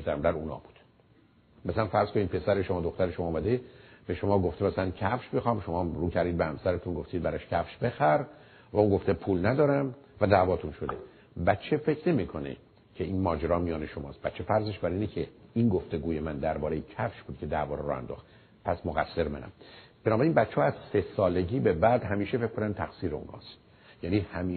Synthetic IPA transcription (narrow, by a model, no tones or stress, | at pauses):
d̪æmd̪æɾuːnɒ̰ːbu̥d̪̥ | mæsælænfæɾz̥koniːd̪̚pʰe̞sæɾeʃomɒːd̪oxt̪æɾeʃomɒːmæd̪eb̥e̞ʃomɒːɡo̞ft̪emæslæncʰæfʃbexɒːmʃomɒːmɾuːkʰæɾd̪iːd̪behæmsæɾet̪ʰunɡoft̪iːd̪̚bæɾɒʃcʰæfʃbe̞xæɾ | væunɡo̞ft̪epʰuːlnæd̪ɒːɾæmvæd̪æːvɒːt̪ʰunʃo̞d̪e̞ | bæt̪t͡ʃʰːe̞fe̞cʰne̞miːkʰo̞nḛ | cʰeinmɒːd͡ʒeɾɒːmijɒːne̞ʃomɒ̰ːst̪̚bæt̪t͡ʃʰːefæɾzeʃbæɾiːnecʰeinɡoft̪e̞ɡuːjemænd̪æɾbɒːɾejecʰæfʃbuːd̪̚cʰe̞d̪ævɒːɾɾɒːhæ̰nd̪ɔ̰ːx | pʰæsmoɣæ̰sːe̞ɾmænæ̰m | b̥enɒːbæɾeinbæt̪t͡ʃʰːehːæzsesɒːleɟiːbe̞bæd̪ɦæmiːʃefekkːonænd̪̚t̪ʰæxsiːɾeṵnhɒ̰ːst̪ | jæːniːhæmi